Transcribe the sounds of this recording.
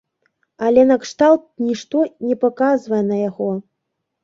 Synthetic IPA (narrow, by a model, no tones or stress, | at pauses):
alʲɛnɐkʂt̪alˠt̪̚nʲiʂt̪ɔnʲɛpakazvɐjɛnɐjaɣɔ